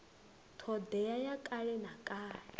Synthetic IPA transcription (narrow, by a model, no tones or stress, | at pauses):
t̪ʰɔd̪ɛjajakʼaɺɛnakʼaːɺɛ